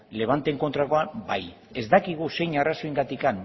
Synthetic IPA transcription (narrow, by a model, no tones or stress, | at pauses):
le̞β̞ant̪e̞ŋkont̪ɾako̞abaj | e̞zd̪akiɣ̞use̞jɲarasoiŋɡat̪ikan